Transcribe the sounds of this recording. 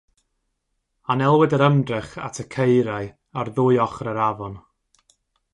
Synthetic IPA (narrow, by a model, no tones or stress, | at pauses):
anɛlˠwɪdəɾəmdrɪχa̰tʰəkʰejɾaɨ | arðʊɨɔχrəɾavɔn